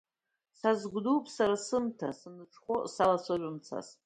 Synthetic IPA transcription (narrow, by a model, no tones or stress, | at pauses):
sazɡʷdupʼsaɾasɨmtʰasɨnɨʈ͡ʂʰχosalasaʕʷʊmt͡sʰa̰s